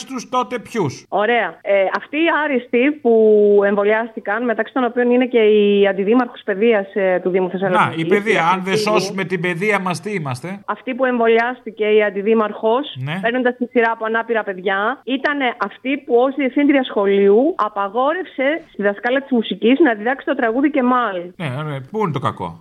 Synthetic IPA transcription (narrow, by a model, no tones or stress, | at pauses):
st̪ust̪o̞t̪e̞pçuso̞ɾe̞ɐeɐft̪iːɐɾist̪ipue̞ɱvo̞lɐst̪ikɐnme̞t̪ɐksi̥t̪ono̞pio̞nine̞ce̞iɐnd̪iðimɐɾxo̞spe̞ðiɐst̪uðimuθesɐloieðiɐɐnðeso̞sume̞t̪ibe̞ðiɐmɐst̪iimɐst̪e̞ɐft̪ipue̞ɱvo̞liɐst̪ice̞iɐnd̪iðimɐɾxo̞snepe̞ɾno̞nd̪ɐst̪isiɾɐːpoɐnɐpiɾɐpe̞ðʝɐit̪ɐne̞ʔɐft̪ipuo̞sðiefθind̪ɾiɐsxo̞liuɐpɐɣo̞ɾe̞fse̞st̪iðɐskɐliɐt̪izmusiciznɐðiðɐksi̥t̪o̞t̪ɾɐɣuðice̞mɐlneoɾebuinet̪okɐ̰ko̞̰